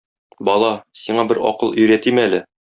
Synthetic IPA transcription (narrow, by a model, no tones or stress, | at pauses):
bɒlˠɑsiɴɑbɘɾɒ̰qɤlˠɵ̆jɾæt̪imælɘ